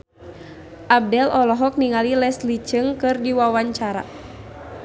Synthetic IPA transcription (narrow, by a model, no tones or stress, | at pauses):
ʔab̚dɛlʔɔlɔɦɔk̚niŋalilɛslit͡ʃɨŋkɨrdiwawaɲt͡ʃaɾa̰